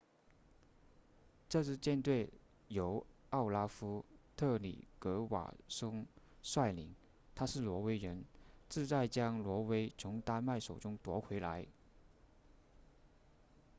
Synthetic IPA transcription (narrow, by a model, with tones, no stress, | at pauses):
ʈ͡ʂɤ˥˧ʂɻ̩˥˧t͡ɕjɛ˥˧nt̪we˥˩ɪ | jo˧˥ʊ | ɑ˥˩ʊla˥fu˥t̪ʰɤ˥˩lḭ˨˩kɤ˧˥wa̰˨˩ʂʊ˥ŋ | swa˥˩ɪlḭ˧˥ŋ | t̪ʰa˥ʂɻ̩˥˩lwɔ˧˥we˥ɪɻə˧˥nt͡sɹ̩˥˧t͡sa˥˩ɪt͡ɕjɑ˥ŋlwɔ˧˥we˥ɪt͡sʰʊ˧˥ŋt̪a˥˧ma˥˩ɪʂo˨˩ʊʈ͡ʂʊ˥ŋt̪wɔ˧˥kʰwe˧˥ɪla̰˧˥ɪ